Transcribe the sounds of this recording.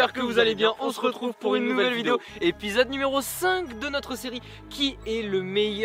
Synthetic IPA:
ɛʁkəvuzalebjɛ̃ʔɔ̃səʁət̪χuvpuʁynːuvɛvɛlvid̪eoepizɔd̪nymeʁosɛ̃kd̪ənɔt̪χəseʁi | kʲiɛləmɛj

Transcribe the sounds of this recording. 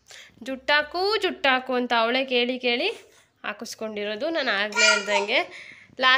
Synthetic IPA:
d͡ʒuʈːaːkud͡ʒuʈːaːkuɐnt̪ɐːwɭe̞ːke̞ːɭike̞ːɭi | a̰ːkusko̞ɳɖiɾoːd̪unaːnaːɡleːiɾd̪ɐŋɡe̞laː

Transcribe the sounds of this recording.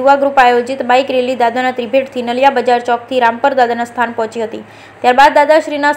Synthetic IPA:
uʋaɡɾupajod͡ʒit̪baikɾelid̪ad̪anat̪ɾibʱeʈt̪ʰinəljabəd͡ʒaɾt͡ʃɔk̚t̪ʰiɾampəɾd̪ad̪anast̪ʰanpɔɦt͡ʃiɦət̪i | t̪jaɾbad̪ːad̪aʃɾina

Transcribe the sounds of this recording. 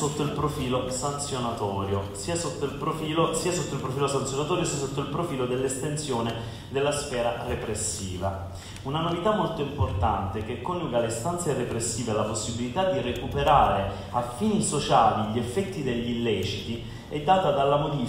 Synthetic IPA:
sot̪ːoilpɾofiːlosant̪sjonat̪ɔːɾjosiːasot̪ːoilpɾofiːlosiːasot̪ːoilpɾofiːlosansjonat̪ɔːɾjosiːas̬ot̪ːoilpɾofiːlod̪elːest̪ent̪sjoːne | d̪elːasfɛːɾarepɾesːiːva̰ | unanovit̪amːolt̪oimport̪ant̪ekekːonːuːɡalest̪ant̪serepɾesːiːvealaposːibilit̪ad̪ːirekupeɾaːɾe | afːiːnisot͡ʃaːliʎefːɛt̪ːid̪eʎːilːɛːt͡ʃit̪i | ɛd̪ːaːt̪ad̪alːamod̪i

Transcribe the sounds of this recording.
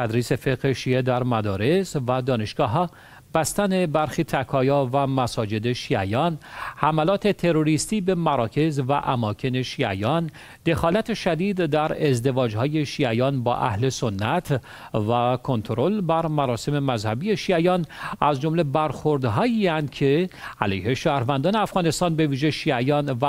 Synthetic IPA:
t̪ʰæd̪ɾiːse̞fe̞ɡheʃiːe̞d̪æɾmæd̪ɒːɾe̞svæd̪ɒːne̞ʃɡ̥ɒːɦɒː | b̥æst̪æne̞bæɾxiːt̪ʰækʰɒːjɒːvæmæsɒːd͡ʒe̞d̪e̞ʃiæjɒːnhæmælɒːt̪ʰe̞t̪ʰe̞ɾoɾist̪iːbe̞mæɾɒːcʰe̞zvæ̰ʔæmɒːcʰe̞ne̞ʃiːæ̰jɒːn | d̪̥e̞xɒːlæt̪ʰe̞ʃæd̪iːd̪d̪æɾe̞zd̪e̞vɒːd͡ʒhɒːje̞ʃiːæjɒːnbɒ̰ːʔæ̰hle̞sonːæt̪ʰ | vækʰo̞nt̪ʰoɾo̞lbæɾmæɾɒːse̞me̞mæzhæbije̞ʃiːæjɒːnæzd͡ʒo̞mle̞bæɾxo̞ɾd̪ɦɒːjiːænd̪̚cʰe̞ælejhe̞ʃæːɾvænd̪ɒːneæfɣɒːne̞st̪ɒːnbe̞viːʒe̞ʃiːæjɒːnvæ

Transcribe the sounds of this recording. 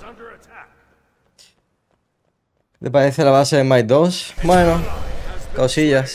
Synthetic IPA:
d̪epaɾeθelaβaseemajd̪osmweno | kawsiʎas

